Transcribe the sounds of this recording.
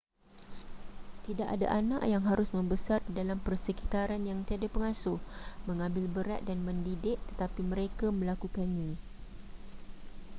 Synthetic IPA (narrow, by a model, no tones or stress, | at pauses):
t̪idaʔa̰da̰ʔanã̰ʔjaŋɦaɾʊsmə̃mbəsardidalampərsəkit̪aɾanjaŋt̪iadapəŋãsʊhmə̃ŋãmbɪlbəɾa̰t̪̚danmə̃ndidɪʔ̚t̪ə̥t̪apimə̃ɾekamə̃lakukanɲã